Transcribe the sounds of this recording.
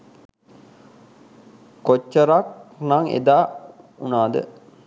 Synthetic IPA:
kot͡ʃːɐɾak̚naŋḛd̪aː | unaːd̪ə̰

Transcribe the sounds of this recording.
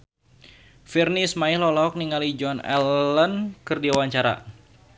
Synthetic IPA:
firnismailɔlɔk̚niŋalid͡ʒɔnɛ̰lənkɨrdiawaɲt͡ʃaɾa̰

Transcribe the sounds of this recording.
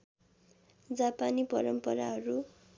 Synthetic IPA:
d͡zapanipʌɾʌmpʌɾaɦʌɾu

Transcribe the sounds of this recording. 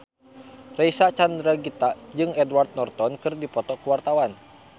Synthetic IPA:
rɛisat͡ʃand̪ɾaɡit̪ad͡ʒɨŋɛdward̪̚nɔrt̪ɔnkɨrdipɔt̪ɔkuwart̪awan

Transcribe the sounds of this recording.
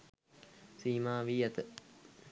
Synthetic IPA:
siːmaːʋiːɐt̪ə

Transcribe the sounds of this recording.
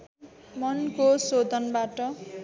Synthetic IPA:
mʌnkosod̪ʱʌnbaʈʌ

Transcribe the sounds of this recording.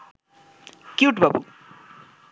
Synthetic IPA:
kjuʈbʌbṵ

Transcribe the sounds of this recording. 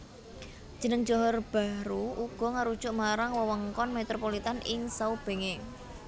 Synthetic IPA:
d̥ʒ̥ə̤nəŋd̥ʒ̥ɔ̤ɦɔrb̥a̤ɾuʔuɡ̥ɔ̤ŋaɾud̥ʒ̥ʊʔmaɾaŋwəwəŋkɔnmet̪ɾopolit̪anɪ̰ŋsaub̥e̤ŋe

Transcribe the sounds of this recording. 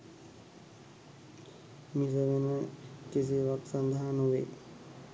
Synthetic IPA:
misəʋenəkis̬iʋaksand̪əɦanuʋḛ

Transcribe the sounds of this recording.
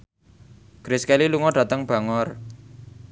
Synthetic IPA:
ɡ̥ɾɪskɛliluŋɔɖ̥ä̤t̪əŋb̥ä̤ŋɔr

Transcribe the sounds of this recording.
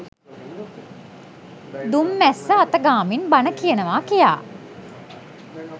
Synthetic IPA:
d̪umːæsːəat̪əɡaːminbanəkijənəʋaːkijaː

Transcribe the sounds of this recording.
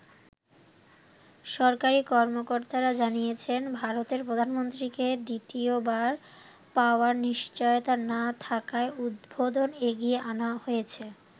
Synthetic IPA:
ʃɔɾkaɾikɔɾmokoɾt̪aɾad͡ʑanijet͡ɕʰenbʱaɾot̪eɾpɾod̪ʱanmont̪ɾiked̪it̪iobaɾ | paoaɾniʃt͡ɕɔjot̪anat̪ʰakaeud̪bod̪oneɡieʔanahojet͡ɕʰe

